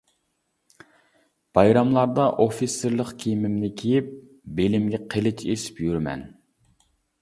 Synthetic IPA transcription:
b̥ɑjɾɑmlˠɑɾd̪ɑʔofisːeɾlˠəqkʲʰimɪmnɪkʲʰejip̚ | belɪmɡʲɛqʰəlˠɪt͡ʃʰesɪ̥pjyɾmɛ̰n

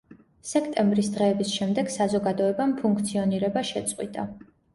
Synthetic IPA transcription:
sɛkʰt̪ʼɛmbɾisd̪ʁɛːbisʃɛmd̪ɛɡ̥sazɔɡad̪ɔɛbampʰuŋkʰt̪sʰiɔniɾɛbaʃɛt̪sʼqʼwḭt̪ʼa

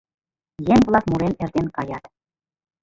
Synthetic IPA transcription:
jemʲvlˠɑkmuɾenĕrt̪enkɑjɑt̪

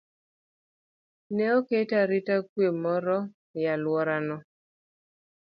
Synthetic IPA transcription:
nɛoketaɾitakwemɔɾɔ | jalwɔɾanɔ

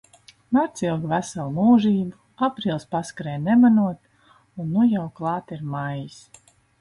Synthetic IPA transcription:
maɾt̪silˠɡvæsalˠmuːʒiːbu | apɾiːlˠspaskaɾɛjnɛmanuɔt̪ | unːujawklˠɑːt̪iɾmajis

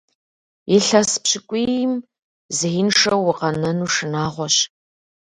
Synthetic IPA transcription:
ɪɬɐspɕɪkʷʼim | zɨjɪnʂɐwʊqɐnɐnuːʂɨnaːʁʷɔɕ

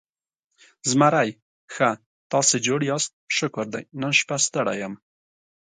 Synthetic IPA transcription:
zmaɾaj | xa | t̪ɑsed͡ʒoɽjɑst̪̚ʃʊkʊɾd̪a̰jnənʃpast̪əɽa̰jam

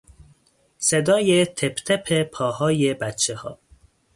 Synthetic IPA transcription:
sed̪ɒːjet̪ʰepʰt̪ʰepʰepʰɒːhɒːjebæt̪t͡ʃʰehɒ̰ː

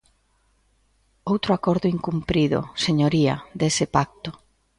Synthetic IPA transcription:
owt̪ɾʊakɔɾðʊiŋkumpɾiðʊ̰seɲoɾia̰d̪esɪpak̚t̪o

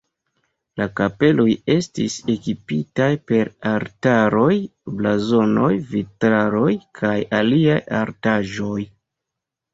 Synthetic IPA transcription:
lakape̞loje̞stise̞kipitajpe̞ɾaɾtaɾo̞jblazo̞no̞jvitɾaɾo̞jkʰajaliaja̰ɾtaʒo̞j

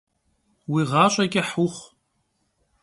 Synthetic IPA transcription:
wiːʁɑːɕʼɐɡʲʼɪħuχʷ

